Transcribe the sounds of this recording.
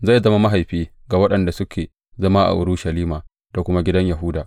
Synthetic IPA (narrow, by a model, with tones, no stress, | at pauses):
zaː˦˨zɐ˦ma˦ma˦ɦa˨jɸiː˦ | ɡa˨wɐ˦ɗɐ˨nda˨sʊ˦kʲʰeː˨ | zɐ˦ma˦ʔa̰˨ʔʊ̰˨ɾu˦ʃɐ˨liː˦maː˨ | d̥a˨kʷʊ˦ma˦ɡʲɪ˦dɐ˦ɲja˨ɦʊ˦daː˨